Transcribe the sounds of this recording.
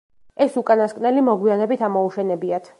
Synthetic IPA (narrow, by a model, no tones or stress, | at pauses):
ɛsukʼanaskʼnɛlimɔɡwianɛbit̪ʰamɔuʃɛnɛbiat̪ʰ